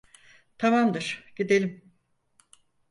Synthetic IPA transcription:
t̪ʰamamd̪ɯɾ̥ɟ̥id̪elʲim

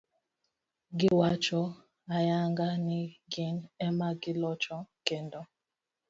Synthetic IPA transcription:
ɡɪwat͡ʃɔ | ajaŋɡaniɡinɛmaɡɪlɔt͡ʃɔkendɔ

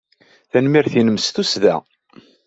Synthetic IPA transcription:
θænmiɾθinəmst̪usðæ̰

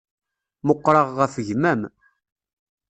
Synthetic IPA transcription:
moqːɾˤɑʁːəfəʝmæm

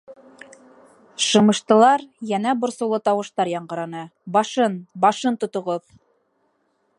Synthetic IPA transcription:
ʃɤ̆mɤ̆ʃt̪ɤ̆lˠɑɾjænæbŏɾsɤwlˠɤt̪ɑwɤ̆ʃt̪ɑɾjɑɴɢɤ̆ɾɑnɤbɑʃɤnbɑʃɤnt̪ŏt̪ŏʁoð

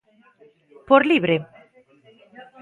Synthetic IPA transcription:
poɾliβɾe

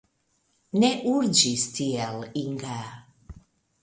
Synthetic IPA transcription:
neʔuɾd͡ʑist̪iɛliŋɡa

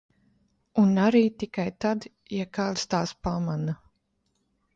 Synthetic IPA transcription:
unaɾiːt̪ikajt̪ad̪ | jakaːd̪st̪aːspamana

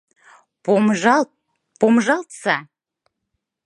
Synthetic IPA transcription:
pʒɑ | pomʒɑlt̪sɑ

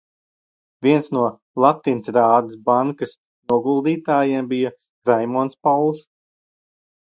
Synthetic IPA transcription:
viɛnsnuɔ | lˠat̪ːiːnsɾaːd̪ɨs̬baŋkɐs | nuɔɡulˠd̪iːt̪aːjembija | kɾajmɔːnspawlˠs

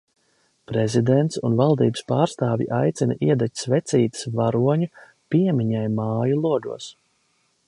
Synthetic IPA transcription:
pɾɛzid̪ɛnt̪sṵnvalˠd̪iːbəspaːɾst̪aːvʲḭʔajt̪sinaʔiɛd̪acʲsvɛt̪siːt̪ə̥svaɾuɔɲu | piɛmiɲajmaːjulˠuɔd̪ṵɔs

